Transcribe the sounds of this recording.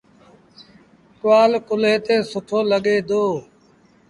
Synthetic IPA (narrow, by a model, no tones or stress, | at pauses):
kwaːlkʊleːt̪eːsʊʈʰoːləɠeːd̪oː